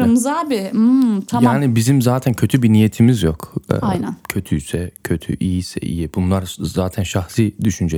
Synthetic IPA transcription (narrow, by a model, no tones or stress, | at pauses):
ɯmzaːbɪt̪ʰamjaːnibizimzaːt̪ʰæncʰøt̪ʰybinije̞t̪ʰimizjo̞kʰːnncʰø̞t̪ʰyjsɛcʰø̞t̪ʰy̰ʔijisɛ̰ʔḭjibunlˠaɾzaːt̪ʰænʃaxsiːd̪yʃynd͡ʒɛ